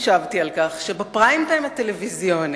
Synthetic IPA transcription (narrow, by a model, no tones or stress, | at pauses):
ʃavt̪ialkaχʃebepʁajimt̪ajmat̪elevizjo̞n